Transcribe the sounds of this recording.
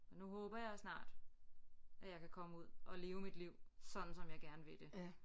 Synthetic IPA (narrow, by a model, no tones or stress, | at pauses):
nuɦɔːb̥ɐjɑ̈ɪsnɑ̰̈ːd̥ | ʔæjɑ̈ɪkʰækʰɒ̽məuð̞̰ˠʔɒ̽le̝ːʊəmid̥liʊ̰sɒ̽d̥n̩sɒ̽mjɑ̈ɪɡ̥æɐnəʋe̝d̥e̝